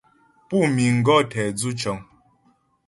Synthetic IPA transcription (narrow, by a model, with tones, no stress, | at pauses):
pu˦˨mi˨ŋ̩˨ɡɔ˦˨tʰɛ˨d͡zu˦t͡ʃɔ˨ŋ